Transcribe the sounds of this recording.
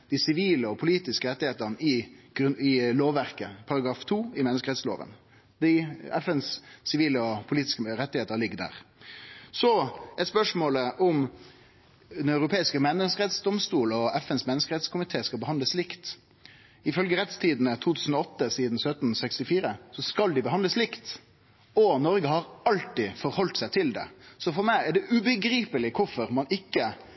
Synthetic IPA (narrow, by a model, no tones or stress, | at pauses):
d̪̥ɪsɪʋiːləɔpʰʊliːt̪ɪskəɾɛt̪ːɪheːt̪əʁnəɪɡ̥ɪloːʋːæɾkəpʰɑɾɑɡɾɑːft̪ʰuːɪmɛnəskəɾɛt̪slo̰ːʋə̰n | d̪ɪɛfɛnsːɪʋiːləɔpʰʊliːt̪ɪ̥skəɾɛt̪ːɪheːt̪əɾlɪɡːd̪æ̰ːʁ | sɔɛt̪spœʂmoːləʔʊm | d̪ɛnœʉʁʊpʰeːɪskəmɛnːəskəʁɛt̪sd̪ɔmst̪uːlɔɛfɛnsmɛnːəskəɾɛt̪skʰʊmɪt̪ʰeːskɑlbəhɑnd̪əslɪkt̪ | ɪfœlɡəɾɛt̪st̪ʰiːd̪n̩ət̪ʰuːt̪ʰʉːsn̩ɔɔt̪ːəsiːd̪n̩sœt̪n̩sɛkst̪ɪfiːɾəsɔskɑld̪ɪbəɦɑnd̪ləslɪkt̪ | ɔnɔɾɡəhɑɾɑlt̪ɪfɔɾhɔlt̪sæɪt̪ʰɪld̪ɛ̰sɔfɔɾmæɪæɖɛʔʉbəɡɾiːpəlɪkʰʊfɔɾmɑnɪkːə